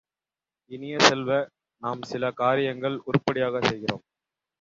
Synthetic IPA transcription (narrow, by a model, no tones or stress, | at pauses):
ɪnɪjɐsɛlʋɐ | naːmsɪlɐkaːɾɪjɐŋɡɐɭʊɾʊpːɐɽɪjaːɣɐsɛjɣɪro̰ːm